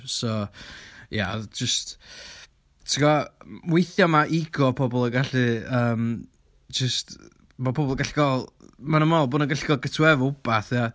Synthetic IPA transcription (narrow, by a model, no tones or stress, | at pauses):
sɔ | ja̰d͡ʒəst | tʰəɡɔwejθjɔmaʔiɡɔpʰɔbɔlˠəɡaɬiəːm | d͡ʒəst | mapʰɔbɔlˠɡaɬɡɔlˠmanəmɔlˠboːnəŋɡaɬɡɔlˠɡətʰwɛvʊbaθja